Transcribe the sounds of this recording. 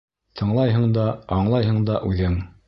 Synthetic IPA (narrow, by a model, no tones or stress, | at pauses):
t̪ʰɤ̆ɴlˠɑjɦɤ̆ɴd̪ɑɑɴlˠɑjɦɤɴd̪ɑʔʉðɘŋ